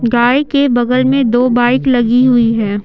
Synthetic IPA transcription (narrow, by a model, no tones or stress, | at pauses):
ɡaːjkebɐɡəlmẽd̪oːbaːɪklɐɡiɦʊiɦɛː